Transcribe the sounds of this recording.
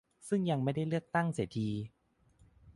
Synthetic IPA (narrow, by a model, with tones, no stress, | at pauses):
sɯ˥˩ŋja˧ŋma˥˩jda˥˩jlɯ˥˩ək̚t̪a˥˩ŋseː˩˦t̪ʰiː˧